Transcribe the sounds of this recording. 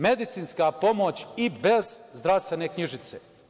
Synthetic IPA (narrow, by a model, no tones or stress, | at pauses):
me̞d̪it̪siːnskapo̞mot͡ɕibe̞zzd̪ɾaʋst̪ʋenekɲiʒit̪sḛ